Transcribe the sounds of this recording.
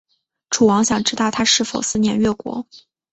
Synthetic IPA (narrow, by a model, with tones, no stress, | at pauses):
ʈ͡ʂʰu˨˩wɑ˧˥ŋɕjɑ˨˩ŋʈ͡ʂɻ̩˧˥t̪ɑ˥˩ʊt̪ʰa˥ʂɻ̩˥˩fo˨˩ʊsɹ̩˥˧njɛ˧˥nɥɛ˥˩kwɔ̰˧˥